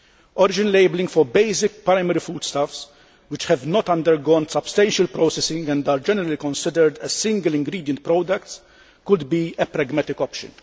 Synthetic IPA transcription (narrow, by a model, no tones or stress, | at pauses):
ɔɾɪd͡ʒɪnleɪblɪ̃ŋɡfɔɾbeɪsɪk̚pɾaɪmɛɾifuːd̪̥st̪afs | wɪt͡ʃhɛvnɔt̪ɐ̃nd̪əɾɡɔːnsɐbst̪ɛ̃nʃəlpɾoːsɛsɪ̃ŋɡɛ̃nd̪aːɾd͡ʒɛnɛɾəlikɔ̃nsɪd̪əɾd̪ɛzsɪ̃ŋɡəlɪ̃ŋɡɾiːd̪jə̃nt̪̚pɾɔːd̪ɐkt̪s | kʊd̪biɛpɾɛɡmɛt̪ɪkɔpʃɨ̰̃n